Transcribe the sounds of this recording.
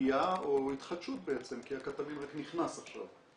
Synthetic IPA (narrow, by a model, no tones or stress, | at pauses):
jaoit̪χad̪ʃut̪̚beet͡se̞mkiakat̪amimʁakniχnasaχʃa̰v